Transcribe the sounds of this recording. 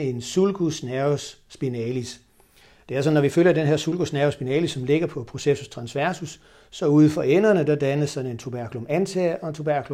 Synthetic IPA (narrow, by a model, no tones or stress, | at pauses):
e̝nsulɡ̥usnæsːb̥inɛlis | d̥e̝æɐsɒ̽nːɒʋiføl̰jɐd̥enɦe̝ɐsulɡ̥usnæɐʊsb̥inɛːlisːɒ̽mle̝ɡ̥ɐpʰɒ̽pʰʁo̝sesust͡sʰʁɑ̈nsʋæɐsusː | ɒ̽uðˠfɒ̽enɐnəd̥ɑ̈d̥ænəsɒ̽ne̝nt͡sʰob̥æɐ̰kʰulomænt͡sʰeʔɒ̽e̝nt͡sʰob̥æɐ̰kʰulo